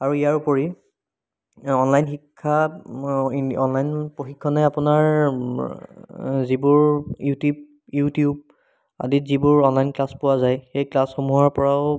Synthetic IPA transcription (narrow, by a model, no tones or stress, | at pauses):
aɹuijaɹupoɹi | ɔnlajnxikʰːa | ɔ̰nlajnpoxikʰːɔnɛapʊnaɹ | zibʊɹjutub | jutiub̚ | a̰ditzibʊɹɔnlajnklaspʊwazajxejklasxomuɦɔɹpɔɹaʊ